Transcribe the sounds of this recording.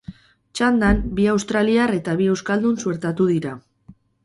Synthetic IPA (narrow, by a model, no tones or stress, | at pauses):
t͡ʃand̪anbiawst̪ɾaliare̞t̪aβ̞ie̞wskald̪unsue̞ɾt̪at̪uðiɾa